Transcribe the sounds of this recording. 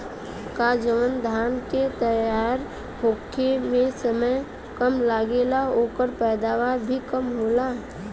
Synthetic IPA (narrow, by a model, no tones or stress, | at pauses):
kad͡ʒəʋənd̪ʱaːnket̪əjaːɾ | hokʰemẽsəməj | kəmlaːɡelaoːkəɾpɛːd̪aːʋaːɾbʱikəmɦoːla